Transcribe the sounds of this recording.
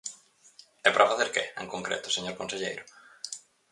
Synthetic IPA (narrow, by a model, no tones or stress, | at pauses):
ɛpɾafaθeɾkɪḛŋkoŋkɾḛt̪ʊ̥seɲoɾkonseʎejɾʊ